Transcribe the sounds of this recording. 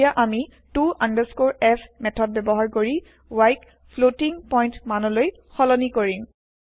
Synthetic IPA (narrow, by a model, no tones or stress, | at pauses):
aʔami | tuʔandəskoɹɛpʰmɛtʰɔd̚bɛbɔɦaɹkoɹi | wajk | pʰlotiŋpɔjntmanɔloj | xɔlɔnikoɹim